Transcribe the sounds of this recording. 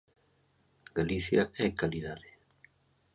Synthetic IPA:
ɡaliθjaɛkaliðaðɪ

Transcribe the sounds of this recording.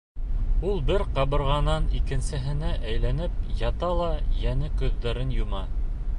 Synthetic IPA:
ulˠbɘɾqɑβɤ̆ɾʁɑnɑnikɘ̆nsɘ̆ɦɘ̆næʔæjlænɘp̚jɑt̪ɑlˠɑjænɘkʉ̆ðːæɾɘnjŭmɑ

